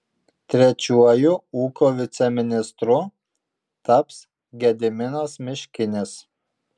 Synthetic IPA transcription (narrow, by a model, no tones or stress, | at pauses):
t̪ʲɾʲɛt͡ʃʲuɔjʊuːkoʋʲɪt̪sʲɛmʲɪnʲɪst̪ɾʊ | t̪ɐps | ɡʲɛd̪ʲɪmʲɪnosmʲɪʃʲkʲɪnʲes